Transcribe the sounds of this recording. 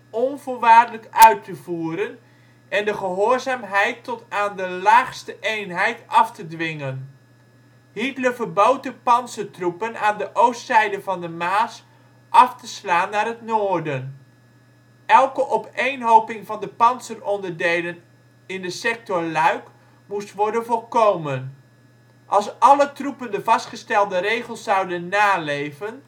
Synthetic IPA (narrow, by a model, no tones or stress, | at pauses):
ɔnvoːlˠʋaːrdələkœɥtʰəvuːɾən | ʔɛndəχəɦoːɹzaːmɦɛjtːɔtaːndəlaːχstəʔejnɦɛjtɑftədʋɪŋən | ɦitləvərbowt̚dəpɑnsətrupənaːndəʔowstsɛjdəvɑndəmaːs | ʔɑftəslaːnːaːɾɦətnoːɹdən | ɛlˠkəʔɔpejnɦowpɪŋvɑndəpɑnsərɔndəɹdejlən | ɪndəsɛk̚tɔɹlœɥk | mustʋɔɹdənvɔlˠkowmən | ʔɑlˠsʔɑlətrupəndəvɑstχəstɛlˠdəɾejχəlˠsːɑwdənːaːlejvən